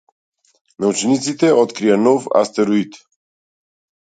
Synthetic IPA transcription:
neut͡ʃenit̪sit̪eʔot̪kɾianova̰st̪eɾuit̪

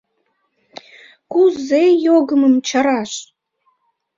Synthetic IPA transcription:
kuzejoɡəməmt͡ɕɑɾɑʃ

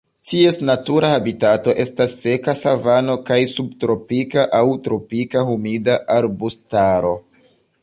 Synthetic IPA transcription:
tie̞snatuɾahabitato̞ʔe̞stasːe̞kasavano̞kajsub̚tɾo̞pikaʔawtɾo̞pikahumidaʔaɾbustaɾo̞

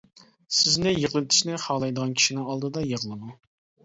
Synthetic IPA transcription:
sɪznɪjəʁlˠɨt̪ʰɪ̥ʃnɪχɑʁlˠɑjd̪əʁɑnkʲʰi̥ʃinɪŋɑlˠd̪ɨd̪ɑjeʁlˠɨmu

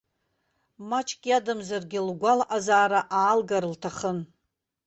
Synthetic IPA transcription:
mat͡ʃʰʼkʲiadɨmzarɡʲɪlɡʷalʔazaːɾaʔaːlɡaɾɨltʰaχən

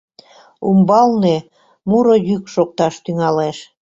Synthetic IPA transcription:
umbɑlne | muɾojykʃok̚t̪ɑʃt̪yŋɑleʃ

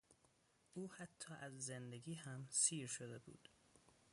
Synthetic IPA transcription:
ʔuːhæt̪ʰːɒːʔæzːend̪eɡiːhæmsiːɾʃod̪ebṵːd̪̥

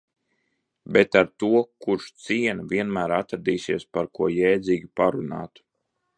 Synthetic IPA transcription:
bet̪aɾt̪uɔkuɾʃt̪siɛnvʲiɛnmæːɾat̪ɾad̪iːsiɛspaɾkuɔjɛːd̪ziːɡʲipaɾuna̰ːt̪u̥

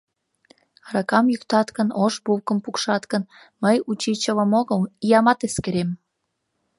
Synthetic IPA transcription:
ɑɾɑkɑmjykt̪ɑt̪kənoʃbuwkəmpukʃɑt̪kən | məjut͡ɕit͡ɕələ̆moɣəlijɑmɑt̪eskeɾem

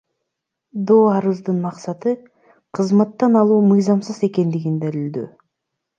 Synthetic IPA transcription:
d̪oːɑɾɯzd̪ɯnmɑqsɑt̪ɯ | qʰɯzmɑt̪ːɑnɑlˠuːmɯjzɑmsɯze̞ke̞nd̪iɡind̪æɾild̪y̰

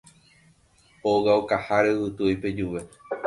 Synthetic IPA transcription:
owaokahaɾewɨt̪ɨojpe̞d͡ʒuʋe

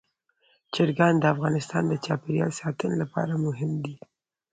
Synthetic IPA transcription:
t͡ʃɪɾɡɑnd̪əafɣɑnɪst̪ɑnd̪ət͡ʃɑpeɾjɑ̰lsɑt̪ənolapɑ̰ɾamʊɦɪmd̪i

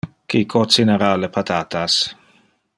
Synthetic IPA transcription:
kikʰot͡sineɾalepʰat̪ʰaːt̪as

